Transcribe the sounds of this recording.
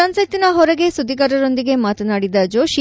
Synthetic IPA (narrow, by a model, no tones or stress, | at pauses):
ɐnsɐt̪ːinɐɦɔɾɐɡe̞sud̪ʱːiɡɐɾɐɾond̪iɡe̞maːt̪ɐnaːɽid̪ɐd͡ʒoːʃi